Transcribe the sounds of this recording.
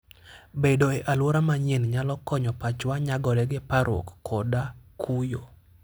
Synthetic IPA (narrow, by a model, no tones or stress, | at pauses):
bedoeʔalwoɾamaɲenɲalɔkɔɲɔpat͡ʃwaɲaɡɔɾɛɡɪpaɾo̰kːɔdakʰujo